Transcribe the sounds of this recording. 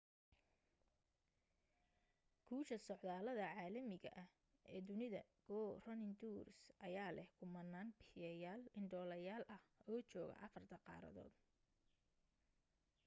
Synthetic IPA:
kʰuːʃɐsɔʕðaːlɐðɐʕaːlɐmɪɣɐ̰ʔɐh | ʔɛːd̪ʊnɪðɐɡ̥ɔːrɐnɪnd̪uːrsʔɐjaːlɛhkʰʊmɐnːaːnbɪɪjɐjaːlɪɳɖɔːlɐjaːlʔɐhɔːt͡ʃɔːɣɐ̰ʔɑfɐrt̪ʰɐqɑ̰ːɾɐ̰ðɔ̰ːd̪

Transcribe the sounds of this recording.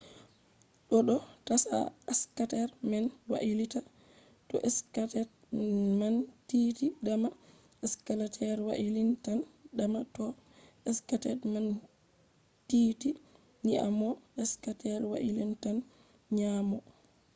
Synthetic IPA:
ɗɔɗɔtasa̰askatɛɾmɛnwa̰ʔilita | tɔ̰ʔɛskatɛ | mantitidama | ɛskalatʰɛɾwa̰ʔilintandamatɔ | ɛskatɛtman | tiːti | niʔa̰mɔɛskatɛɾwa̰ʔilintan | ɲaːmɔ

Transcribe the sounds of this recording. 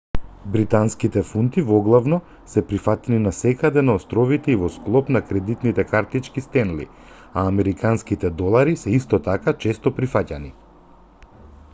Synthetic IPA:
bɾit̪anskit̪ɛfunt̪ivɔɡlˠavnɔ | sɛpɾifat̪ɛninasɛkad̪ɛnaɔst̪ɾɔvit̪ɛivɔsklˠɔpnakɾɛd̪it̪nit̪ɛkaɾt̪it͡ʃkist̪ɛnlḭ | aːmɛɾikanskit̪ɛd̪ɔlˠaɾisɛist̪ɔt̪akat͡ʃɛst̪ɔpɾifacani

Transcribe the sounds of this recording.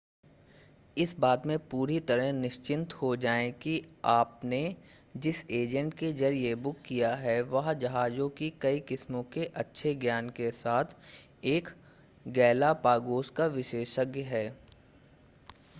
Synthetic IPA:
ɪsbaːd̪mẽpuːɾit̪ɐɾəɦnɪʃt͡ʃɪ̃nt̪hod͡ʒaːẽkiaːpne | d͡ʒɪseːd͡ʒə̃ɳʈkezɐɾiebʊkːijaɦɛʋɐɦd͡ʒɐɦaːd͡ʒõkikɐikɪsmõkeʔɐtːʃʰeɡjaːnkesaːt̪ʰ | eːk | ɡɛːlapaːɡoːskaʋɪʃeːʃəɡjɦɛː

